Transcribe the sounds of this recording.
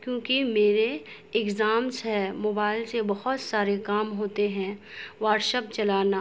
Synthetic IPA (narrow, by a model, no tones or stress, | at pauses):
kjõːkimeːɾe | ɪɡzaːmsɛmoːbaːɪlsebɐhʊt̪saːɾekaːmɦoːt̪eɦɛ̃ʋaːɾʈʃəp̚t͡ʃɐlaːnaː